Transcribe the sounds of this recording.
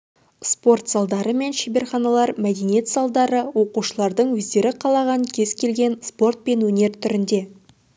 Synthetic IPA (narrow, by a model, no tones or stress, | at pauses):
spo̞rt̪zɑlˠd̪ɑɾəme̞nʃibe̞ɾχɑnɑlˠɑɾmæd̪enije̞t̪zɑlˠd̪ɑɾəwo̞quʃəlˠɑɾd̪əɴwɵzd̪e̞ɾɪqʰɑlˠɑʁɑɴkʲʰe̞zkʲʰe̞lɡʲe̞nspo̞rt̪̚pe̞nwɵne̞ɾt̪ʰʏɾɪnd̪e̞